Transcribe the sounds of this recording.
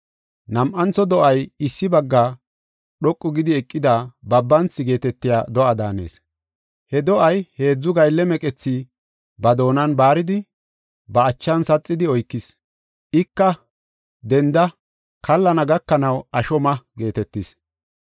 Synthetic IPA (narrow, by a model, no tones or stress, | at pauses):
nɐmʔɐnt͡sɔd̪ɔʔɐjɪsːɪbɐɡːaː | ɗɔkʼːʊɡɪd̪ɪɛkʼːɪd̪abɐbːɐnt͡sːɪɡe̞ːt̪ɛt̪ːɪja̰ːd̪ɔʔɐd̪aːne̞̰ːs | hɛd̪ɔʔɐjhe̞ːd͡zːʊɡɐjlːɛmɛkʼɛt͡sːi | bɐd̪o̞ːnɐnbaːɾɪd̪ɪ | bɐːt͡ʃːɐnsɐt͡sʼːɪd̪ɪɔjkːɪs | ʔɪkːɐ | d̪ɛnd̪ɐ | kɐlːɐnɐɡɐkːɐnɐwɐʃɔmɐɡe̞ːt̪ɛt̪ːɪs